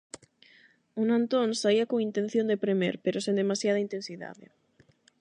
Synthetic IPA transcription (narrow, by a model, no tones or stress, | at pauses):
unãnt̪onsaiɐkoŋint̪ẽn̟θjõnd̪epɾemḛɾpeɾosend̪emasjað̞ɐint̪ensiða̰ðɪ̰